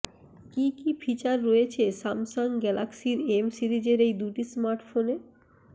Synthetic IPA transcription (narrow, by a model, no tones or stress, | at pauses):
kikifʰit͡ɕaɾːoet͡ɕʰesamsaŋɡɛlaksiɾemsiɾid͡ʑeɾejd̪uʈismaɾʈfone